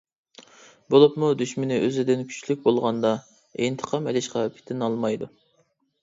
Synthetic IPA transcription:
bolˠupmud̪yʃmɪnɪʔøzɪd̪ɪnkʲʰy̥t͡ʃlyk̚ʲbolˠʁɑnd̪ɑ | ent̪ʰə̥qʰɑmɛlɪʃqɑpʰi̥t̪ʰɪnɑlˠmɑjd̪u

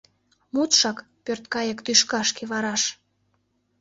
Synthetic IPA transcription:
mut̪ʃɑk | pørt̪kɑjəkt̪yʃkɑʃkeβɑɾɑʃ

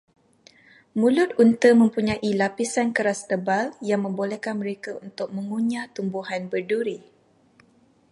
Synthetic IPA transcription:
mũlʊt̪̚unt̪əmə̃mpuɲãʔilapisankəɾast̪əbaljaŋmə̃mbolɛhkanmə̃ɾekaunt̪ʊk̚mə̃ŋuɲãt̪umbuɦanbərduɾi

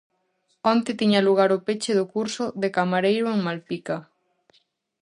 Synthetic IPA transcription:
ɔnt̪et̪iɲaluɣ̞aɾopet͡ʃeðokuɾsʊðekamaɾejɾoeŋmalpika

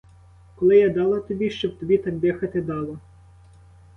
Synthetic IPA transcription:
kɔlˠɪjɑd̪ɑlˠɐt̪ɔbʲiʃt͡ʃɔb̚t̪ɔbʲit̪ɑmd̪ɪxɐt̪ɪd̪ɑlˠɐ

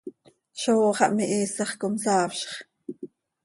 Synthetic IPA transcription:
ʃoːχɑʔmiʔiːsɑχkomsɑːfʃχ

